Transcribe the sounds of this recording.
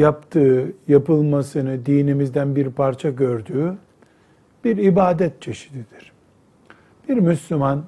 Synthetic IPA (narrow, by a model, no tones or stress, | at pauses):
japt̪ʰɯːjapɯlˠmasɯnɯd̪iːnimizd̪ænbiɾpʰaɾt͡ʃʰaɟøɾd̪yː | b̥iɾibaːd̪ɛt̪̚t͡ʃʰeʃi̥d̪id̪̥iɾ̥ | b̥iɾmyslʲyman